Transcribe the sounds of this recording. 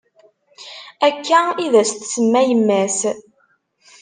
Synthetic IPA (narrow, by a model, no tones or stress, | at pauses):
ækʰːæiðæst̪səmːæjəmːæs